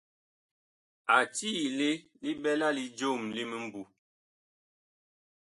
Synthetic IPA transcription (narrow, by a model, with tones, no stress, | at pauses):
a˨ti˦le˦ | li˦bɛ˦la˦li˦d͡ʒo˦˨mli˦mi˦m̩˦bu˨